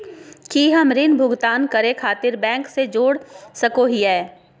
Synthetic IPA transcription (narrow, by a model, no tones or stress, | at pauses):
kiɦɐmɾɪnbʱʊɡt̪aːnkɐɾẽkʰaːt̪ɪɾbɛ̃ːŋksed͡ʒoːɽsɐkoɦiɦɛː